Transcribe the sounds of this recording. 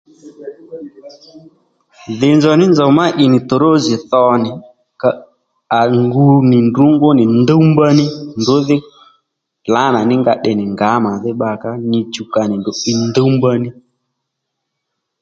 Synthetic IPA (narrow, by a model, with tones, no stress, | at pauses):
ðɪ˨nzɔ˨nɪ˦nd͡ʒɔ˨ma˦ʔɪ˨nɪ˨tʊ˨ɾo˦zɪ˨θɔ˦nɪ˨ | ka˨ | a˨ŋɡu˨nɪ˨ndu˨˦ŋɡʊ˦nɪ˨nd̪o˦mba˦nɪ˦ndʊ˨˦ðɪ˦ | la˨˦na˨nɪ˦ŋɡa˧˨ɗɛ˨nɪ˨ŋɡa˨˦ma˨ðɪ˦ɓa˧ka˦nɪ˧t͡ʃu˨ka˨nɪ˨ndʊ˨ʔɪ˦ndo˦mba˦nɪ˦